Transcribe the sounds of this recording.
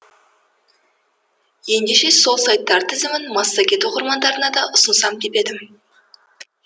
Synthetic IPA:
je̞nd̪e̞ʃe̞so̞lˠsɑjt̪ːɑɾt̪ʰɪzɪmɪnmɑsːɑkʲe̞t̪woqəɾmɑnd̪ɑɾənɑd̪ɑʔʊsənsɑmd̪ʰepe̞d̪ɪm

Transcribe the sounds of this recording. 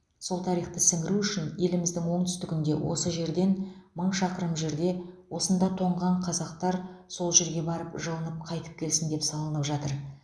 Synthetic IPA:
so̞lˠt̪ʰɑɾijχt̪əsɪŋɡʲɪɾuʏʃɪnje̞lɪmɪzd̪ɪŋwo̞ɴt̪ʰʏst̪ɪkʲɪnd̪e̞̰wʔo̞̰səʒe̞ɾd̪e̞nməɴʃɑqəɾəmʒe̞ɾd̪e̞wo̞sənd̪ɑt̪ʰo̞ɴʁɑɴqʰɑzɑq̚t̪ɑɾso̞lˠʒe̞ɾɡʲe̞bɑɾəpʒəlˠənəp̚qʰɑjt̪ə̥p̚kʲʰe̞lsɪnd̪e̞psɑlˠənəpʒɑt̪əɾ

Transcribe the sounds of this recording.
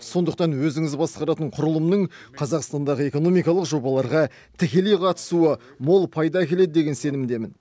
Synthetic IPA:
so̞nd̪əq̚t̪ɑnwɵzɪŋɪzbɑsqɑɾɑt̪əɴqʰʊɾəlˠəmnəɴqʰɑzɑqst̪ɑnd̪ɑʁəe̞ko̞no̞mijkɑlˠəqʒo̞bɑlˠɑɾʁɑ | t̪ʰɪkʲe̞lejqʰɑt̪ə̥suə | mo̞lˠpʰɑjd̪ɑkʲʰe̞le̞d̪ɪd̪e̞ɡʲense̞nɪmd̪e̞mɪn

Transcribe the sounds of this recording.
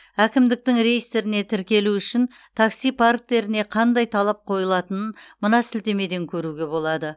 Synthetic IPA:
ækʲɪmd̪ɪk̚t̪ɪŋɾe̞jist̪eɾɪne̞t̪ʰɪɾkʲe̞luʏʃɪn | t̪ʰɑksijpʰark̚t̪e̞ɾɪne̞qʰɑnd̪ɑjt̪ʰɑlˠɑp̚qʰo̞jəlˠɑt̪ənənmənɑsɪlt̪e̞me̞d̪e̞ŋkʲʰɵɾuɡʲe̞bo̞lˠɑd̪ə

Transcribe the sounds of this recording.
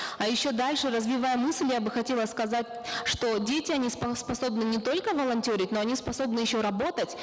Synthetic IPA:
ɐjɪɕːo̞d̪alʲʂɨrəzvʲɪvajəmɨslʲjabɨxɐtʲe̞lˠəskɐzatʲʂt̪o̞dʲetʲɪɐnʲispspɐso̞bnɨnʲɪt̪o̞lʲkəvəlˠɐnʲtʲoɾʲɪtʲno̞ɐnʲispɐso̞bnɨjɪɕːo̞ɾɐbo̞t̪ətʲ

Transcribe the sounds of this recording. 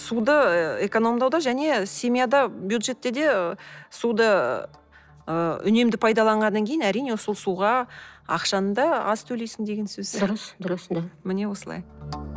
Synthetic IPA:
sud̪əeko̞no̞md̪ɑwd̪ɑʒæne̞sʲe̞mʲijad̪ɑbjud̪ʒe̞t̪ːe̞d̪e̞sud̪ə | əʏne̞md̪ɪpʰɑjd̪ɑlˠɑɴʁɑnːɑŋkʲʰe̞jɪnæɾijne̞ʊsolˠsuʁɑɑ̰qʃɑnəd̪ɑɑz̥t̪ʰɵle̞jsɪnd̪e̞ɡʲe̞nsɵz̥sɪzɾəsd̪ʊɾəsd̪mɪne̞wo̞səlˠɑ̰j

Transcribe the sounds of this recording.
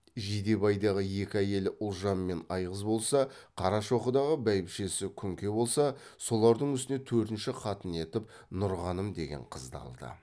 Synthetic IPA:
ʒid̪e̞bɑjd̪ɑʁəje̞kʲɪæje̞lɪʔʊlˠʒɑmːe̞nɑjʁəzbo̞lˠsɑqʰɑɾɑʃo̞χəd̪ɑʁəbæjɪpʃe̞sɪkʲʰʏŋkʲe̞bo̞lˠsɑso̞lˠɑɾd̪əɴʏst̪ɪne̞t̪ʰɵɾt̪ɪnʃɪqʰɑt̪əne̞t̪ɪp̚ | nʊɾʁɑnəmd̪e̞̰ɡʲe̞̰ɴqʰəzd̪ɑ̰lˠd̪ə̰

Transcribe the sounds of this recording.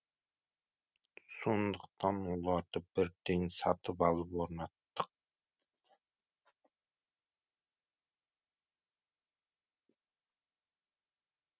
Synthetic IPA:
sond̪ʊqt̪ɑnʊlˠɑɾd̪ɑbɪɾd̪ɪŋsɑt̪ʰɨpɑlˠɨpoɾnɑt̪ːɨ̥q̚

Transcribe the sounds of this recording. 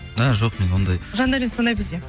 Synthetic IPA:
æʒo̞qme̞nwo̞nd̪ɑjʒɑnd̪ɑɾinsonɑjbɪzd̪e

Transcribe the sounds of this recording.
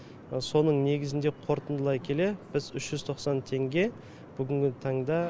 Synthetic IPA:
so̞nəɴne̞ɡʲɪzɪnd̪e̞qʰo̞ɾt̪ənd̪əlˠɑjkʲʰe̞le̞b̥ɪzʏʃʒ̥ʏzt̪ʰoqsɑnt̪ʰe̞ŋɡʲe̞ | b̥ʏɡʲɪŋɡʲɪt̪ʰɑɴd̪ɑ

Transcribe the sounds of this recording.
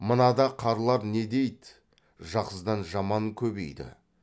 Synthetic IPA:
mənɑd̪ɑqʰɑɾlˠɑɾne̞d̪e̞jd̪ | ʒɑqəzd̪ɑnʒɑmɑŋkʲʰɵbe̞̰jd̪ɪ̰

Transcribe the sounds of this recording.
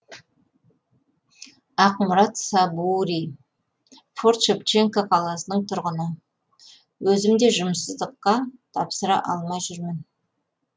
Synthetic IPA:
ɑqmʊɾɑt̪sɑbuɾi | fort̪ʃept͡ʃeŋkaqʰɑlˠɑsənəɴt̪ʰʊɾʁənə | wɵzɪmd̪e̞ʒʊmsəzd̪əqːɑt̪ʰɑpsəɾɑ̰ʔɑlˠmɑjʒʏɾmɪn

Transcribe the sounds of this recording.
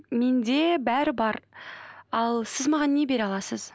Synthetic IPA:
me̞nd̪e̞bæɾɪbɑɾ | ɑlˠsɪzmɑʁɑnːe̞be̞ɾɑlˠɑsəz̥

